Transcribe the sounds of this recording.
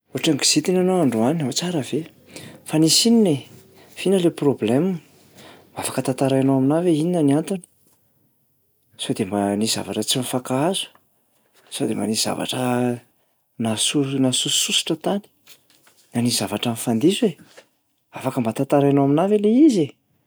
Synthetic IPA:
oʈ͡ʂaŋɡi̥z̥it̪inanowaɳɖ͡ʐuaninɦot͡saɾəve | fanisinine | v̥inəleproblem | mafḁkət̪at̪aɾajanowaminaveininaniant̪ani̥ | sod̪embaniz̥a̰vaʈ͡ʂət͡simifakaazu̥ | sod̪ema̰niz̥a̰va̰ʈ͡ʂə | nasunasussusi̥ʈ͡ʂət̪ani̥ | nanizavaʈ͡ʂanfand̪izue | afakəmbat̪at̪aɾanowaminaveleize

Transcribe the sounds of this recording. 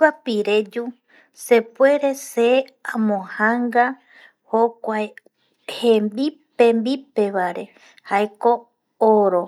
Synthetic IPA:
apiɾed͡ʒu | se̞pwe̞ɾe̞seãmõhãŋɡa | hokʷae | hẽmbipẽ̞mbipe̞βaɾe̞ | hajko̞ | oɾo

